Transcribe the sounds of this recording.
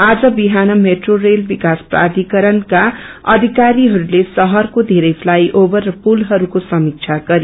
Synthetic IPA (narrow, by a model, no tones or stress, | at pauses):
ad͡zʌbiɦanʌmeʈrorelbikaspra̰d̪ʱikʌɾʌnka | ʌ̰d̪ʱikaɾiɦʌɾulesʌɦʌrkod̪ʱeɾʌjpʰlajʔobʌrːʌpulɦʌɾukosʌmik̚t͡ʃʰaɡʌɾi